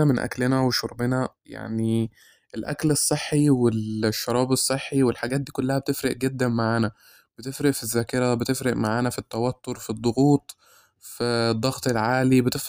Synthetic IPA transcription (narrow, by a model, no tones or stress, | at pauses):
æmenʔæ̰klenæweʃoɾˤbenæja̰ʕni | ʔelʔæ̰klesˤːeħːiwelʃːɑɾˤɑːbesˤːeħːiwelħaɡæːt̪̚d̪iːkolːæhæbet̪efɾeʔɡed̪ːænmaʕaːnæ | b̥et̪efɾeʔfizːæːkeɾæbet̪efɾeʔmaʕaːnæfit̪ːæwæt̪ːoɾfid̪ˤːoɣuːt̪ˤ | fid̪ˤːɑɣt̪ˤelʕaːlibet̪ef